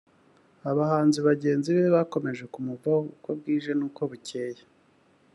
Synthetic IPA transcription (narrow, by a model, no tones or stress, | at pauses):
aβahaːnziβaɟe̞ːnziβeβako̞me̞ʒe̞kumuvaukob̚ɡiːʒe̞nuːko̞βuce̞ːje